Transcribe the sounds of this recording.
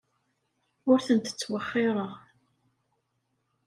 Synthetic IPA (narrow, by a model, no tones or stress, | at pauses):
ʊɾθənt̪ə̥t͡sːwəχːɪɾˤɑ